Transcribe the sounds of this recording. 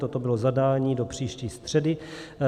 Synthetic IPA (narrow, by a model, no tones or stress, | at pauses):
t̪ot̪obɪlozadaːɲiːdo̞pr̥iːʃciːst̪r̥ɛdɪ